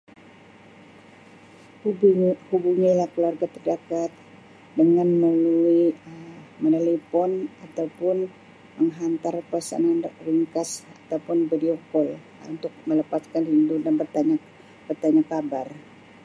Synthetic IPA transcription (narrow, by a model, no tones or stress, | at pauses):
hubuɲailahkəluarɡat̪ərdakat̪̚ | dəŋanmluui | mənalipɔnat̪awpʊn | məŋɦant̪arpasa̰nanriŋkasat̪awpʊnbideokɔl | ṵnt̪ʊk̚mələpaskanhindudanbət̪aɲa | bərt̪aɲakabar